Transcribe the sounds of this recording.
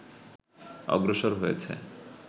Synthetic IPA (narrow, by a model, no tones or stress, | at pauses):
ɔ̰ɡɾoʃoɾɦojet͡ɕʰḛ